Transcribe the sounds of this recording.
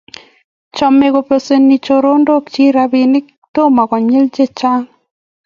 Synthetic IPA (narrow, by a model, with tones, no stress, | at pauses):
t͡ʃɔ˨me˨ɡo˨pe˨se˨nːi˨t͡ʃo˨ɾo˦ndo˦kt͡ʃi˦ɾa˦bɪ˨nɪ˦ | t̪o˦ma˨kɔ˨ɲe˦ld͡ʒe˦˨t͡ʃa˦ŋ